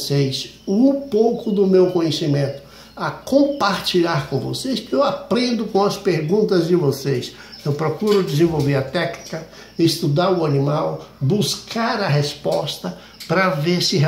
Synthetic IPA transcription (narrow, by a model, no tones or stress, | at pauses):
sejs | ũpowkʊd̪ʊmewkõjɲesimẽnt̪ʊ̥ | ɐkõpaɾt͡ʃiʎaɾkõvo̰sejsewapɾẽnd̪ʊkõɐspeɾɡũnt̪ɐzd͡ʒɪvoses | ewpɾokuɾʊd͡ʒɪzẽvowveɾɐt̪ɛknikɐ | ɪst̪ud̪aɾʊanimawbuskaɾɐɦespɔst̪ɐ | pɾɐveɾsɪɦ